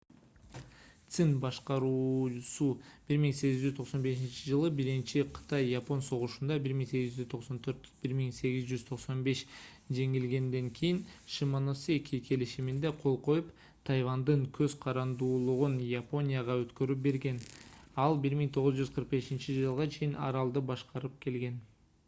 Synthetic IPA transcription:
t̪sɨnbɑʃqɑɾusub̥iɾmiŋse̞ɡizd͡ʒyzt̪ʰo̞qso̞nbe̞ʃint͡ʃid͡ʒɯlˠɯbiɾint͡ʃiqʰɯ̥t̪ɑjːapo̞nso̞ʁuʃund̪ɑbiɾmiŋse̞ɡizd͡ʒyzt̪ʰo̞qso̞nt̪ʰøɾt̪biɾmiŋse̞ɡizd͡ʒyzt̪ʰo̞qso̞nbe̞ʃ | d͡ʒe̞ŋilɡe̞nd̪e̞ŋkʰijinʃimonosiekʲʰikʰe̞liʃimind̪e̞qʰo̞lˠqo̞jup | t̪ʰɑjvɑnd̪ɯɴkʰøzqʰɑɾɑnd̪uːlˠuʁunjapo̞nʲijaʁɑøt̪kø̞ɾyp̚be̞ɾɡe̞nɑlˠbiɾmiŋt̪ʰo̞ʁʊzd͡ʒyzqʰɯɾq̚be̞ʃint͡ʃid͡ʒɯlˠʁɑt͡ʃʰe̞jinɑ̰ɾɑlˠd̪ɯbɑʃqɑɾɯp̚ke̞lɡe̞n

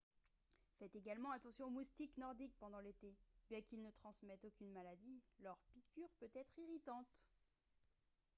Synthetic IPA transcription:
fɛt̪eɡalmɑ̃at̪ɑ̃sjɔ̃omust̪iknɔʁd̪ik̚pɑ̃d̪ɑ̃let̪ebjɛ̃kilnət̪χɑ̃smɛt̪okʲynmalad̪ilœʁpikʲyʁpøt̪ɛt̪χiʁit̪ɑ̃t̪

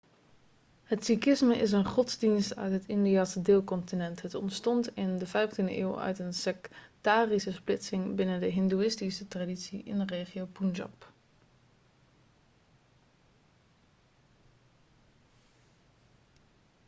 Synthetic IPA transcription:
hətsikɪsməʔɪs̬ənχɔtzdinstœ̰ɥtɦətɪndiaːsədɪːlˠkɔntinɛntɦətɔ̰ntstɔntɪndəvɛjftindəʔɪːwœ̰ɥtənsɛktaːrisəsplɪtsɪŋbɪnəndəɦɪnduɪstisətraditsiʔɪ̰nreːχiowpunʒɑ̰p

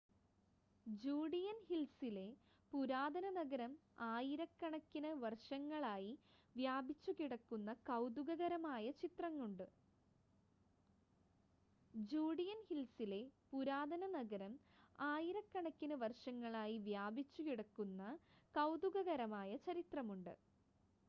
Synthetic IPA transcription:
d͡ʑuːɽijɐnhilsile̞ | puɾaːd̪ɐnɐnɐɡɐɾɐm | aːjiɾɐkːɐɳɐkʲːinɨʋɐrʂɐŋːɐɭaːjiʋjaːbʱit͡ɕːukiɽɐkːunːɐkɐwd̪uɣɐɣɐɾɐmaːjɐt͡ɕit̪rɐŋːuɳɖɨ | d͡ʑuːɽijɐnhilsile̞puɾaːd̪ɐnɐnɐɡɐɾɐmaːjiɾɐkːɐɳɐkʲːinɨʋɐrʂɐŋːɐɭaːjiʋjaːbit͡ɕːukiɽɐkːunːɐkɐwd̪uɣɐɣɐɾɐmaːjɐt͡ɕɐɾit̪rɐmuɳɖɨ̰

